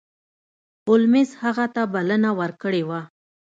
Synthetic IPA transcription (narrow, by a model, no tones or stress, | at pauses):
ʊlmɪzhaɣat̪abalənawəɾkəɽewa